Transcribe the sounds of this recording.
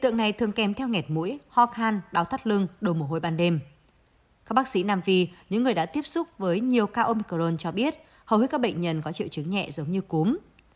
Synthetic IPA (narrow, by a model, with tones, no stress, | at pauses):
i˧˨t̪ɨ̰˧˨əŋna˨˩jt̪ʰɨ˨˩əŋkɛ˨˩mt̪ʰɛ˧wŋɛ˨˩t̚mṵ˧˥jhɔ˧kʰaː˧nɗaː˨˦wt̪ʰaː˦˥t̚lɨ˧əŋɗo˨˧˩m̚˨˩ɦo˧˩jɓaː˧nɗe˧m | kaː˦˥k̚ɓaː˦˥ksḭ˧˥naː˧mvi˧˩ɲɨ̰˧˥ŋːɨ˨˩əjɗa̰ː˧˥t̪i˦˥əp̚sʊ˦˥k͡p̚vəː˨˦jɲi˨˩əwkaː˧ʔo˧mi˧ko˧˩o˧nt͡ɕɔ˧ɓi˦˥ət̚ | hə˨˩whi˦˥t̚kaː˦˥ɓə̰˧˨jŋ̟ɲə˨˩nkɔ˨˦t͡ɕḭ˧˨wt͡ɕɨ˨˦ŋɲɛ̰˧˨zə˨˦wŋ͡mɲɨ˧ku˨˦m